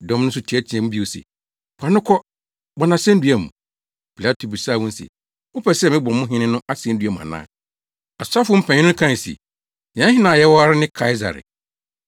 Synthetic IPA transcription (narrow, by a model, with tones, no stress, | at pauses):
dɔ̃˦mn˦ʊ̃˦s̬ʊ˦tʰi˨˦ɛ˦tʰi˨ɛ̃˨mũ˦bi˦o˨sɛ̰˨ | pʰa˨nʊ̃˦kʰɔ˦ | bɔ˨nã˨sɛ̃˦n̩˦dɥæ˨mṵ̃˨ | pʰi˨la˦tʰo˨bi˨saː˦˨wʊ̃˦n̩˦sɛ̰˨ | ʊ˦pʰɛ˦˨sɛ˦˨mɪ̃˦bɔ̃˨˦mʊ̃˦ɦɪ̃˦nɪ̃˦nʊ̃˦a˦si˨ɛ˦n̩˦dɥæ˨mũ˨a̰˨nã̰ː˦˨ | a˨sʊ˦a˦fʊ˦m̩˦pʰã˨ɲɪ̃˦nʊ̃˦kʰã˦˨sḭ˨ | ɲã˨˦hɪ̃˦nã˨jɛ˦wɔ˦a˦ɾɪ˦nɪ̃˦kʰa˦ɪ˦za̰˨ɾɪ̰˨